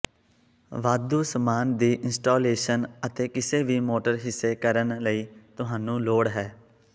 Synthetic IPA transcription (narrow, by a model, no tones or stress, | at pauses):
ʋaːd̪uːsəmaːnd̪iːʔɪnsʈoːleːʃənət̪eːkɪseːʋiːmoːʈəɾɦɪsːeːkəɾənləiːt̪ʊɦãːnũːloːɽɦɛː